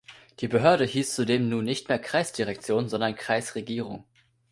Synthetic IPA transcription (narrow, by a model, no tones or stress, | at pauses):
d̥iːbəɦøːɐɾəhiːst͡sudeːmnuːnːɪçtmeːɐkʁ̥aɪsd̥iʁɛk̚t͡sjoːnzɔndɐnkʁ̥aɪsʁeɡiːʁ̞ʊŋ